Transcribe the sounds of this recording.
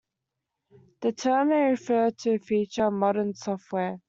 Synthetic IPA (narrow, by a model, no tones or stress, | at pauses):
ðətʰɜːməɹɪfɜːd̚tʰəfiˑt͡ʃəmɒɾənsɔftwɛː